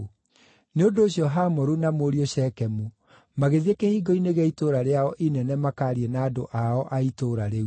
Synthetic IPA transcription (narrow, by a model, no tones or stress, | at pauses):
neondoːɕjɔɦamɔɾunamoɾioɕɛkɛmu | maɣeðiekehiɡɔineɣeitoɾaɾeaɔʔinɛnɛmakaɾienaːdo̰ʔaɔʔaitoɾaɾe